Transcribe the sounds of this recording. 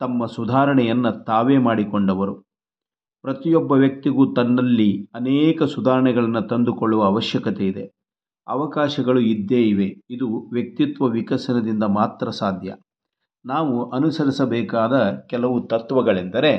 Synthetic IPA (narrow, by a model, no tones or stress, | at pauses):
t̪ɐmːɐsud̪ʱaːɾɐɳɛjɐnːɐt̪aːʋeːmaːɽikoɳɖɐʋɐɾu | pɾɐt̪ijɔbːɐʋjɐk̚t̪iɡuːt̪ɐnːɐlːiɐnɛːkɐsud̪ʱaːɾɐɳɛɡɐɭɐnːut̪ɐnd̪ukoɭːuʋɐːʋɐʃjɐkɐt̪ɛid̪e | ɐ̰ʋɐkaːʃɐɡɐɭuid̪ːeːiʋe̞id̪uʋjɐk̚t̪it̪ʋɐʋikɐsɐnɐd̪ind̪ɐmaːt̪ɾɐsaːd̪ʱjɐ̰ | naːʋuʔɐnusɐɾisɐbɛːkaːd̪ɐkɛlɐʋut̪ɐt̪ʋɐɡɐɭend̪ɐɾe̞